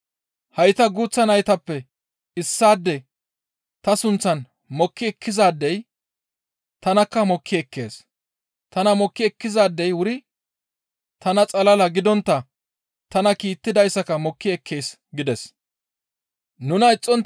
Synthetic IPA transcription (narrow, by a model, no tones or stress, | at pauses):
hɐjt̪ɐɡuːt͡sːɐnɐjt̪ɐpːɛ | ɪsːaːd̪ːɛ | t̪ɐsʊnt͡sːɐn | mɔkːɪɛkʰːɪzaːd̪ːɛj | t̪ɐnɐkːɐmɔkʰːɪɛkʰːe̞̰ːs | t̪ɐnɐmɔkːɪɛkːɪzaːd̪ːɛjwʊɾɪ | t̪ɐnɐt͡sʼɐlɐlɐɡɪd̪ɔnt̪ːɐ | t̪ɐnɐkiːt̪ːɪd̪ɐjsɐkɐmɔkːɪɛkʰːeːs | ɡɪd̪ɛs | nʊnɐɪt͡sʼːɔn